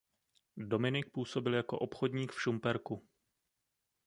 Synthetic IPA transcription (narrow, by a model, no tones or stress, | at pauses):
do̞mɪnɪk̚puːso̞bɪljako̞̰ʔopxodɲiːkfʃumpɛɾku